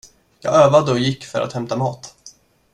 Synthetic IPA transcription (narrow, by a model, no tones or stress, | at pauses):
jɑ̰ːɡøːvad̪əɔjɪkːfœ̰ɾʔa̰t̪hɛmt̪amɑːt̪